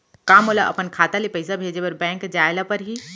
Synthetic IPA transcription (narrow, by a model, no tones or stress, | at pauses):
kaːmolaʔə̰pənkʰaːt̪alepəɪs̬abʱeːd͡ʒepəɾbɛ̃ːŋkd͡ʒaːɪlapəɾɦi